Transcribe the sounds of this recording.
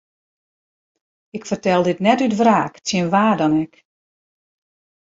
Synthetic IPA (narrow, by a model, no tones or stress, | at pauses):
ɪkfərtɛlˠdɪtnɛtytfraːktjənʋaːrdɔnɛk